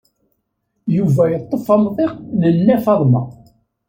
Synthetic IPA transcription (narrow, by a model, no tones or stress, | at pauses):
juvæjət̪ˤːəfɑmðˤeqnəlːæfɑðˤmɑ